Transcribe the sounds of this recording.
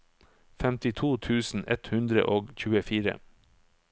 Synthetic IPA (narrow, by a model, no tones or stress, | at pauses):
fɛmt̪ɪt̪ʰuːt̪ʰʉːsn̩ʔɛt̪hʉnd̪ɾə̰ʔoːɡçʉːəfiːɾə̰